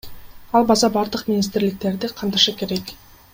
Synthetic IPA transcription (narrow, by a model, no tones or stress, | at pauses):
ɑlˠbɑzɑbɑɾd̪əqmʲɪnʲis̬t̪ɪɾlɪk̚t̪e̞ɾd̪ɪqʰɑmt̪ɑʃɑkʲe̞ɾe̞k